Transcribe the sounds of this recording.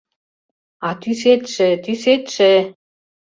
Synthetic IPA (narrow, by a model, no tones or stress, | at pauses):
ɑt̪yset̪ʃĕt̪yset̪ʃe